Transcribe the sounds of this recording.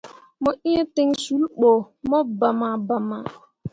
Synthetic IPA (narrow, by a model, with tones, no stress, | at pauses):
mɔ˦ʔi˦e˦te˦ŋ˨su˨˦lk͡po˨ | mɔ˦ba˨ma˨ba˨ma˨